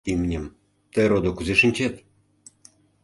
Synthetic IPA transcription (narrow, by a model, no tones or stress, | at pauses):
imnʲə̆m | t̪əjɾod̪okuzeʃinʲt͡ɕet̪